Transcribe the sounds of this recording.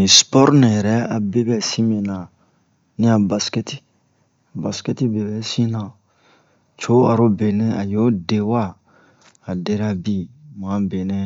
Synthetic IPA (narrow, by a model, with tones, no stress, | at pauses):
nĩ˨spɔ˦ɾnã˨jɛ˨ɾɛ˦a˨be˦bɛ˨sĩ˦mẽ˨nã˨ | nĩ˦a˨ba˨skɛ˦ti̥˦ | a˨ba˨skɛ˦ti˦be˨bɛ˨sĩ˦nã˨ | t͡ʃo˦a˨ɾo˦be˨nẽ˦a˨jo˦de˦wa˦˨ | a˨de˦ɾa˦bi˦m˨ã˨˦be˨nẽ˦